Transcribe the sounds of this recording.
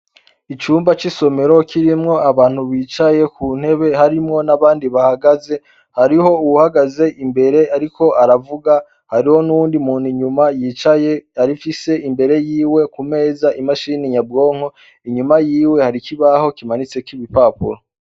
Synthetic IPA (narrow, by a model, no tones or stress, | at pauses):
it͡ʃuːmbat͡ʃiso̞me̞ɾo̞kʰiɾimŋo̞aβaːn̥huβiːt͡ʃaje̞kʰuːn̥he̞βe̞ɦaɾimŋo̞naβaːndiβahaɡaze̞ | haɾiho̞uwuhaɡaze̞ʔimbe̞ɾe̞aɾikʰo̞aɾavuɡa | haɾiho̞nuwuːndimuːniɲumajiːt͡ʃajeaɾifise̞ʔimbe̞ɾe̞jiːwe̞kume̞ːzaʔimaʃiniɲab̚ɡo̞ːŋo̞ | iɲumajiːwe̞haɾikiβaho̞kimanit͡se̞kiβipaːpṵɾo